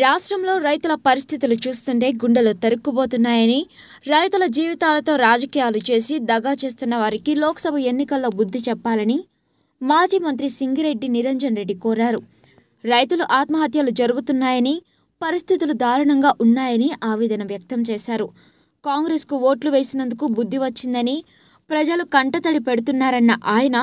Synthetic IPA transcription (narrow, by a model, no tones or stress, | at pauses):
ɾaːʂʈɾɐmlo̞ːɾɐjt̪ulɐpɐɾist̪ʰit̪ulut͡ʃuːst̪uɳʈe̞ːɡuɳɖɐlut̪ɐɾukːubo̞ːt̪unːaːjɐni | ɾɐjt̪ulɐd͡ʒiːʋit̪aːlɐt̪o̞ːɾaːd͡ʒɐkiːjaːlut͡ʃe̞ːsid̪ɐɡaːt͡ʃe̞ːst̪unːɐʋaːɾikilɔːkɐ̥sɐbʱɐe̞nːikɐlːo̞ːbud̪ʱːit͡ʃɛpːaːlɐni | maːd͡ʒiːmɐnt̪ɾisiŋɡiɾe̞ɖːiniɾeɲd͡ʒɐnɾe̞ɖːikɔːɾaːɾu | ɾɐjt̪uluʔaːt̪mɐɦɐt̪jɐlud͡ʒɐɾuɡut̪unːaːjɐni | pɐɾist̪ʰit̪ulud̪ʱaːɾɐɳɐŋɡaːʔunːaːjɐniʔaːʋɛːd̪ɐnɐʋjɐk̚t̪ɐmt͡ʃɛːʃaːɾu | kaːŋɡɾeːskuʋo̞ːʈluʋe̞ːsinɐnd̪ukubud̪ʱːiʋɐt͡ʃːind̪ɐni | pɾɐd͡ʒɐlukɐɳʈɐt̪ɐɽipeɽut̪unːaːɾɐnːɐʔaːjɐnɐ